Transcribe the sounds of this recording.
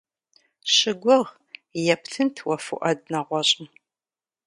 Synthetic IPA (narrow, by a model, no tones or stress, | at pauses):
ʃɪɡʷʊʁ | jɛptʰɨntʰwɐfṵʔɐd̚nɐʁʷɔɕʼɪm